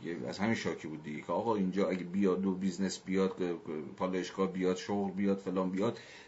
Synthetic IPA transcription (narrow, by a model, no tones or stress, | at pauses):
jeæ̰zhæmiːnʃɒːkʰibuːd̪ːiɟecʰeɒːɣɒːind͡ʒɒːæɡebijɒd̪obiznesbijɒːd̪̥pʰɒːlɒjeʃɡɒːhbijɒːd̪̥ʃoɣlbijɒːd̪̥felɒːnbijɒd̪